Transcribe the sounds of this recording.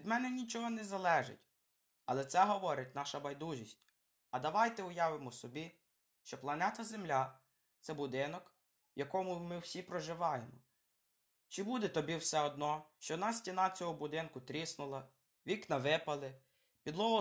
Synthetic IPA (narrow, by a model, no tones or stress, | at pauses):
ʋʲid̪mɛnɛnʲit͡ʃɔɦɔnɛzɐlˠɛʒɪ̰tʲ | ɐlˠɛt̪sɛɦɔʋɔɾɪtʲnɑʃɐbɐjd̪uʒʲisʲtʲ | ɐd̪ɐʋɑjt̪ɛʊjɑʋɪmɔsɔbʲi | ʃt͡ʃɔplˠɐnɛt̪ɐzemlʲa | t̪sɛbʊd̪ɪnɔk | wjɐkɔmʊmɪwsʲipɾɔʒɪʋɑjemɔ | t͡ʃɪbud̪ɛt̪ɔbʲiwsɛɔd̪̚nɔʃt͡ʃɔnɑsʲtʲinɑt͡sʲɔɦɔbʊd̪ɪnkʊt̪ɾʲisnʊlˠɐ | ʋʲiknɐʋɪpɐlˠɪ | pʲid̪lˠɔɦɔ